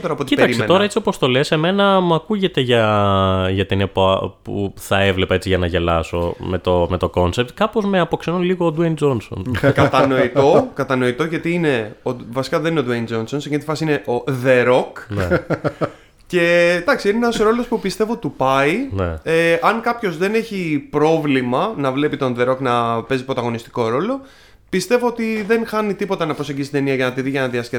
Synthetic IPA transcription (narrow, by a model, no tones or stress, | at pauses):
t̪oɾɐpot̪iipeɐkɾisment̪oɾɐet͡sioɐpo̞st̪o̞le̞se̞me̞nɐmuɐkuʝe̞t̪e̞ʝɐ | ʝɐt̪inepoɐpṵθɐevle̞pɐe̞t͡siʝɐnɐʝelɐso̞̰met̪ome̞t̪o̞ko̞nse̞p̚t̪kɐpozmeɐpo̞ksenunliɣoːd̪uend͡zo̞nso̞̰nkɐt̪ɐnoit̪o̞kɐt̪ɐno̞it̪o̞ʝɐt̪iine̞ovɐsi̥kɐðe̞nineo̞d̪uend͡ʒonsonsecenit̪ifɐsiine̞ʔo̞ðe̞ɾo̞k | ce̞t̪ɐksiineenɐsɾo̞lo̞spupist̪e̞vo̞t̪upɐinḛeɐŋkɐpço̞zðe̞ne̞çipɾo̞vlimɐnɐvle̞pit̪o̞nðe̞ɾo̞knɐpe̞zipɾo̞t̪ɐɣo̞nist̪i̥ko̞ɾo̞lo̞ | pist̪e̞vo̞ot̪iðe̞nxɐnit̪ipo̞t̪ɐnɐpɾose̞ɲɟist̪t̪e̞niɐʝɐnɐt̪iðiʝɐnɐðiɐske